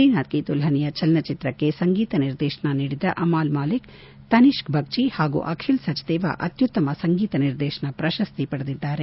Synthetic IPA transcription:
iːnaːt̪̚kit̪ulɦɐnijɐt͡ʃɐlnɐt͡ʃit̪ɾɐkːe̞sɐŋɡiːt̪ɐniɾd̪ɛːʃɐɳɐniːɽid̪ɐ̰ʔɐmaːlmaːlik | t̪ɐniʃkbʱɐk̚t͡ʃihaːɡṵːʔɐkʰilsɐd͡ʒd̪ɛːʋa̰ʔɐt̪jut̪ːɐmɐsɐŋɡiːt̪ɐniɾd̪ɛːʃɐɳɐpɾɐʃɐst̪ipɐɽɐd̪id̪ːaːɾe

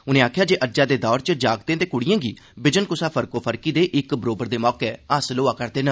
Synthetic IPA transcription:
ʊnẽːaːkʰjaːd͡ʒeːʔəd͡ʒaːd̪eːd̪ɔːɾt͡ʃd͡ʒaːɡt̪ẽːt̪eːkʊɽijãːɡiː | bɪd͡ʒənkʊsaːpʰəɾkoːpʰəɾkiːd̪eːʔɪkbəɾoːbəɾd̪eːmɔːkeːasloːaːkəɾd̪eːnə

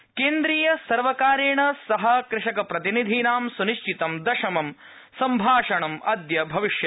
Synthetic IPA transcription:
keːnd̪ɾiːjɐsɐɾʋɐkaːɾeːɳɐsɐɦɐkɾɪʂɐkɐpɾɐt̪inid̪ʱiːnaːmsuniʃt͡ʃit̪ɐmd̪ɐʃɐmɐm | sɐmbʱaːʂɐɳɐmɐd̪jɐbʱɐʋiʃjɐ

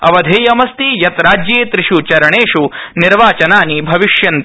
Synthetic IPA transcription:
ɐ̰ʋɐd̪ʱeːjɐmɐst̪ijɐt̪ɾaːd͡ʒjeːt̪ɾiʂut͡ʃɐɾɐɳeːʂuniɾʋaːt͡ʃɐnaːnibʱɐʋiʂjɐnt̪

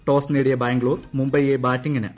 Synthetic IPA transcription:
ʈo̞ːsneːɽijɐbaːŋɡɭoːɾmumbɐjebaːtːiŋɡɐnɨ̰ʔ

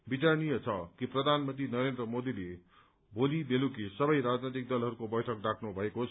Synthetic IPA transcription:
bit͡sarnijʌt͡sʰʌkiprʌd̪ʱanmʌnt̪rinʌɾend̪rʌmod̪ile | bʱolibelukisʌbʌjɾad͡znet̪ik̚d̪ʌlɦʌɾukobʌjʈʰʌk̚ɖakʰnubʱʌekot͡sʰ

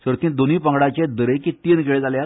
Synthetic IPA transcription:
səɾt̪ĩːnd̪oniːpəŋɡɽat͡ɕed̪əɾekit̪inkeɭed͡zalja

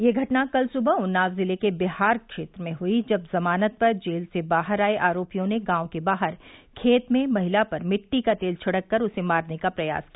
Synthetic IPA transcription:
jeɡʱɐʈnakɐlsʊbəʊnːaːʋzɪlekebɪɦaːɾkʃeːt̪ɾəmẽɦʊid͡ʒɐbzɐmaːnət̪̚pɐɾd͡ʒeːlsebaːɦəɾaːeʔaːɾoːpijõneɡãːõkebaːɦəɾkʰeːt̪mẽmɐɦɪlapɐɾmɪʈːikat̪eːlt͡ʃʰɐɽəkːɐɾʊsemaːɾnekapɾɐja̰ːskiaaː

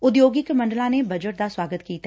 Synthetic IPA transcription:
ʊd̪joːɡɪkmɐ̃ɳɖlãnebʱɐd͡ʒəʈ̚d̪aswaːɡət̪kiːt̪

